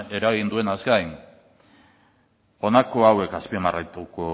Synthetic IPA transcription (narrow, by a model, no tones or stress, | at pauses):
e̞ɾaɣind̪ue̞naskajn | o̞nako̞awe̞kaspimarajt̪uko